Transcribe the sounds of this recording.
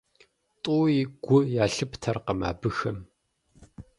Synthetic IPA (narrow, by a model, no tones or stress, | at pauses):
tʼuːiɡ̥ʷʊjaːɬɨptʰɐrqəma̰ːbɨxɐm